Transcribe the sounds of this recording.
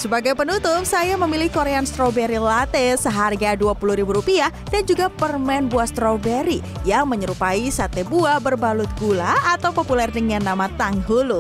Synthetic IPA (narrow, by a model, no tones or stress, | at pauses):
səbaɡajpənunt̪ʊpsajaməmilɪhkoɾeanst̪ɾowbeɾilat̪ɛsəɦarɡaduapuluhɾibuɾupia | dand͡ʒuɡapərmɛnbuast̪ɾowbɛɾi | jaŋməɲəɾupaisat̪ebuabərbalʊt̪̚ɡulaːt̪awpopulɛrdəŋanːamat̪aŋɦulu